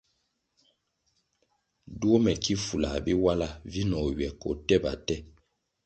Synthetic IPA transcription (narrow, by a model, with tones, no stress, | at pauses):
du˦o˦mɛ˨ki˦fu˨la̰˨bi˦wa˦la˦vi˦nɔ˨ɥɛ˨kɔ̰˨tɛ˦ba̰˨tɛ˦